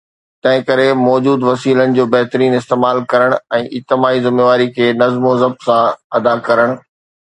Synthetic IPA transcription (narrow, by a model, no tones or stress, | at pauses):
t̪ɐ̃ɦɪ̃kɐɾemɔːd͡ʑuːd̪ʋɐsiːlənɪ̆d͡ʑoːbɐɦt̪ɾiːnɪst̪eːmaːlkɐɾəɽ̃ɛ̃ːʔɪt̪ɪmaːizɪmeːʋaːɾikʰeːnɐzmozɐb̚sãɐd̪akɐɾəɽ̃